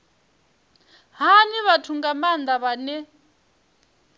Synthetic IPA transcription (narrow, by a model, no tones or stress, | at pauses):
ɦaniβatʰuŋɡamand̪aβanɛ